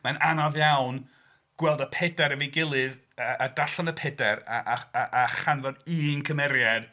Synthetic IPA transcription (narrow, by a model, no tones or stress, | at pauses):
mananɔvjawn | ɡ̥wɛlˠdəpʰɛdɛɾəviɡɪlˠɨð | əʔːdaɬanəpʰɛdɛɾaʔaʔaχanvɔdɨːnkʰəmɛɾjad̥